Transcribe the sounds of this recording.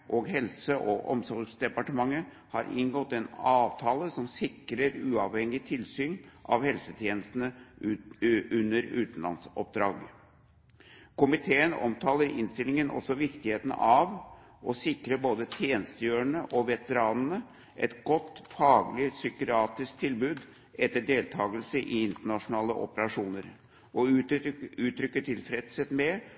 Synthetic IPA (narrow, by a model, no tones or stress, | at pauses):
ʔoɡɦɛlsəʔɔʔɔ̰msɔlsd̪ɛpɑʈəmɑŋːə | hɑɾʔɪ̰nɡɔt̪ːɛnɑːʋt̪ʰɑːləsɔmsɪkɾəɾʉːɑʋhɛŋːɪt̪ʰɪlsyːnʔɑ̰ʋhɛlsət̪ʰjeːnəst̪n̩ə | ʉnːəɾʉ̰ːt̪n̩lɑ̰nsɔp̚d̪ɾɑːɡ | kʰʊmɪt̪ʰeːənɔ̰mt̪ʰɑːləɾɪ̰nst̪ɪlɪŋənʔɔ̰sɔʋɪkt̪ɪheːt̪nɑʋ | ʔɔsɪkɾəboːd̪ət̪ʰjeːnəst̪əjøːɾəɳəʔɔʋɛt̪əɾɑːnənə | ʔɛ̰t̪ɡɔt̪ːfɑːɡlɪsʏkəɾɑːt̪ɪsk̚t̪ʰɪlbʉːd̪ | ɛt̪ːəɖeːlt̪ʰɑːɡəlsəʔɪɪnt̪əɳɑʂʊnɑːləʔɔ̰pəɾɑʂuːnəɾ | ɔ | ʉːt̪ʰɾʏkːəʈʰɪlfɾɛd̪sət̪mɛ